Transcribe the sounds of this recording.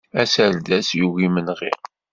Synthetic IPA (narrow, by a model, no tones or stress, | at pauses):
æsæɾd̪æsjuwimənʁḭʁ